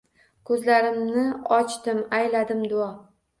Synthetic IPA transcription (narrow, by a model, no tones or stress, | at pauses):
kʰɵzlaɾɪmnɪɒt͡ʃt̪ɪmajlad̪ɪmd̪ʊɒ